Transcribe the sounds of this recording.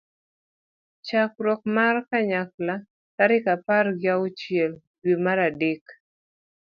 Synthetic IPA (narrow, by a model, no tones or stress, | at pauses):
t͡ʃak̚ɾɔk̚markaɲak̚la | taɾɪkaparɡjaʊt͡ʃjɛl | dwemaɾadek